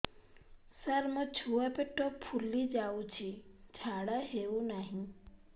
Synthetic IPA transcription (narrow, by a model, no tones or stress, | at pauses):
səɾmət͡ʃʰuapeʈːoppʰulːid͡ʒaʋũt͡ʃʰid͡ʒʰʱaɽaɦeʋũnaɦĩ